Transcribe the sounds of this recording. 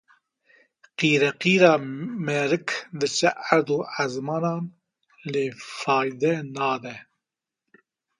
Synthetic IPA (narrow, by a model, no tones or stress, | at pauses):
qiːɾɛqiːɾɑːmɛɾɨkd̪ɨt͡ʃɛʔæɾd̪uːazmɑːnɑːn | leːfɑːjd̪ɛnɑːd̪ɛ